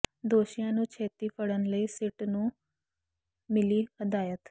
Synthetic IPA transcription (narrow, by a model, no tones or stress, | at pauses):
d̪oːʃijãːnũːt͡ʃʰeːt̪iːpʰəɽənləiːsɪʈnũː | mɪliːhəd̪aːjət̪